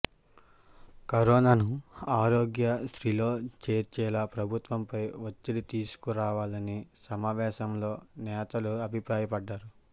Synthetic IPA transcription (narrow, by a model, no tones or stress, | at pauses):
kɐɾɔːnaːnuaːɾoːɡjɐsɾilo̞ːt͡ʃe̞ːɾt͡ʃɛːlɐpɾɐbʱut̪ʋɐmpɐjʋɐt͡ʃːiɽit̪iːsu̥kuɾaːʋaːlɐnisɐmaːʋɛːʃɐmlo̞ːnɛːt̪ɐluɐbʱipɾaːjɐpɐɖːaːɾu